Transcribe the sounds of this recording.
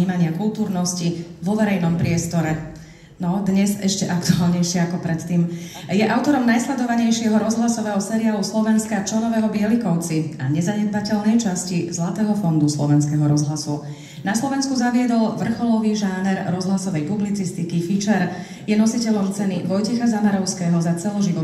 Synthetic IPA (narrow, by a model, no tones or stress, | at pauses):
iːmaɲɪakulˠt̪uːɾnɔsciʋɔʋɛɾɛjnɔmpɾɪɛst̪ɔɾɛ | nɔd̪ɲɛzɛʃcɛʔakt̪uaːlɲɛjʃɪɛakɔpɾɛt̪ːiːmjɛʔaʊt̪ɔɾɔmnajslɛd̪ɔʋaɲɛjʃɪɛɦɔɾɔzɦlasɔʋɛːɦɔsɛɾiaːluslɔʋɛnskat͡ʃanɔʋɛːɦɔbɪɛlikɔʊt͡sia̰ɲɛzaɲɛd̪̚bacɛʎnɛjt͡ʃascizlat̪ɛːɦɔfɔnd̪uslɔʋɛnskɛɦɔɾɔzɦlasu | naslɔʋɛnskuzaʋɪɛd̪ɔlʋr̩xɔlɔʋiʒaːnɛɾɾɔzɦlasɔʋɛjpublit͡sist̪ikifit͡ʃɛɾ | jɛnɔsicɛʎɔmt͡sɛniʋɔjcɛxazamaɾɔʊskɛːɦɔzat͡sɛlɔʒiʋɔ